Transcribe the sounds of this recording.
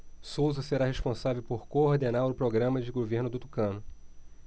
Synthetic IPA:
sowzɐseɾaɦeʃpõsavewpoɾkoːɾd̪enaɾʊpɾoɡɾɐ̃mɐd͡ʒɪɡoveɾnʊd̪ʊt̪u̥kɐ̃nʊ

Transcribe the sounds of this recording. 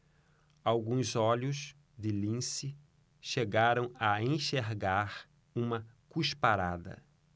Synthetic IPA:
awɡũzɔʎʊs | d̪ɪlĩsɪ | ʃeɡaɾɐ̃w̃ɐẽʃeɾɡaɾ | ũmɐ | kuʃpaɾad̪ɐ̰

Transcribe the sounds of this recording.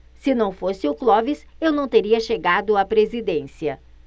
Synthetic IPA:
sɪnɐ̃w̃fosɪʊklɔvɪsewnɐ̃w̃t̪eɾiɐʃeɡad̪ʊapɾezid̪ẽsiɐ

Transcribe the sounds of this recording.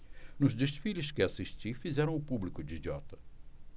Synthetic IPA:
nʊzd̪eʃfilɪʃkɪasiʃt͡ʃ̪ifizɛɾɐ̃w̃ʊpublikʊd͡ʒ̪id͡ʒ̪iɔt̪ɐ̥

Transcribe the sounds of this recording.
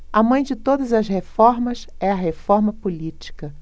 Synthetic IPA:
ɐmɐ̃j̃d͡ʒɪt̪od̪ɐzɐshefɔɾmɐsɛɐɦefɔɾmɐpulit͡ʃi̥kɐ

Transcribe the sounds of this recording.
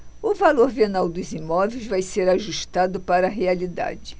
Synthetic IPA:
ʊvaloɾpenawd̪ʊzimɔvejzvajseɾaʒuʃt̪ad̪ʊpaɾɐɦealid̪a̰d͡ʒɪ

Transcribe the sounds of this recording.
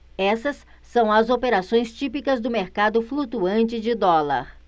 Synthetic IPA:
ɛsɐsː | ɐ̃w̃ɐzopeɾasõj̃st͡ʃipikɐzd̪ʊmeɾkad̪ʊflut̪uɐ̃nt͡ʃɪd͡ʒɪd̪ɔlɐ̰ɾ

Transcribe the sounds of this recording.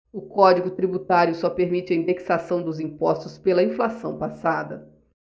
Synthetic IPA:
ʊkɔd͡ʒiɡʊt̪ɾibut̪aɾjʊsɔpeɾmit͡ʃɪɐĩnd̪eksasɐ̃w̃d̪ʊzĩpɔst̪ʊspelɐĩflasɐ̃w̃pasad̪ɐ

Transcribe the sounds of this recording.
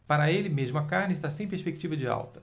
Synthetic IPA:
paɾɐelɪmeʒmʊɐkaɾnɪist̪asẽj̃peɾspek̚t͡ʃivɐd͡ʒɪa̰wt̪ɐ̥

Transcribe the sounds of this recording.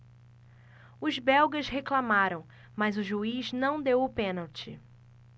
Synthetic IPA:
ʊzbɛwɡɐʃɦeklamaɾɐ̃w̃ | mazʊʒuiznɐ̃w̃d̪ewʊpẽnawt͡ʃɪ

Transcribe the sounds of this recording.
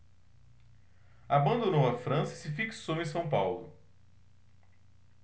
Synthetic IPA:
abɐ̃nd̪õnõw̃ɐfɾɐ̃sɐisɪfiksowẽj̃sɐ̃w̃pawlʊ̰

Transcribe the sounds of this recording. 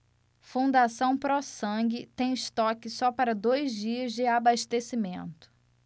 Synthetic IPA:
fũnd̪asɐ̃w̃pɾɔsɐ̃ɡɪt̪ẽj̃ɪʃt̪ɔkɪsɔpaɾɐd̪ojzd͡ʒiɐzd͡ʒɪabaʃt̪esimẽnt̪ʊ̥

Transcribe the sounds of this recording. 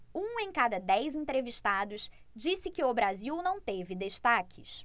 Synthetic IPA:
ũẽj̃kad̪ɐd̪ɛjzẽt̪ɾeviʃt̪ad̪ʊʃ | d͡ʒisɪkɪʊbɾaziwnɐ̃w̃t̪evɪd̪eʃt̪akʰɪs

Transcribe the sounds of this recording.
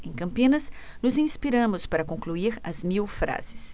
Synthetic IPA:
ẽj̃kɐ̃mpinɐsnʊzĩnspiɾɐmʊspaɾɐkõŋkluiɾɐsmiwfɾa̰z̥ɪ̥s

